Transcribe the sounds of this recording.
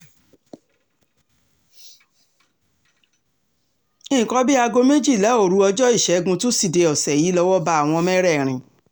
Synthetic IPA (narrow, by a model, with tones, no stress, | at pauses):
ĩ˦˨kɔ˨˦bi˦a˧ɡo˧me˦d͡ʒi˦˨la˨˦o˦˨ɾu˨˦ɔ˧d͡ʒɔ˦i˦˨ʃɛ˨˦ɡũ˧to˦si˦˨de˧ɔ˨sɛ˨ji˨˦lɔ˧wɔ˦ba˧a˦˨w̃ɔ̃˧mɛ˦ɾɛ˦˨ɾ̃ĩ˨